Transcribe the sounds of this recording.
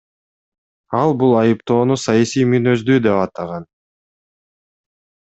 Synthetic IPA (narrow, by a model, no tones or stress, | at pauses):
ɑlˠbulˠɑjɯpt̪o̞ːnusɑjɑsijmynø̞zd̪yːd̪e̞pɑt̪ɑʁɑn